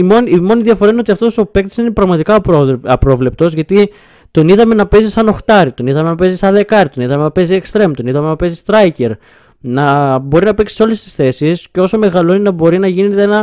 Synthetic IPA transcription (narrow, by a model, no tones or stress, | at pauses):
imo̞nimo̞niðiɐfo̞ɾɐineoɐft̪osope̞k̚t̪e̥sine̞pɾɐɣmɐt̪ikɐpɐpɾo̞vle̞p̚t̪o̞zʝɐt̪i | t̪o̞niðɐme̞nɐpe̞zisːɐno̞xt̪ɐɾit̪o̞niðɐme̞nɐpe̞zisɐðe̞kɐɾit̪o̞niðɐme̞nɐpe̞ziekst̪ɾe̞mt̪o̞niðɐme̞nɐpe̞zist̪ɾɐjce̞ɾ | nɐbo̞ɾinɐpe̞ksi̥so̞le̞st̪i̥sθe̞sisceo̞so̞me̞ɣɐlo̞enenɐbo̞ɾinɐʝineet̪eenɐ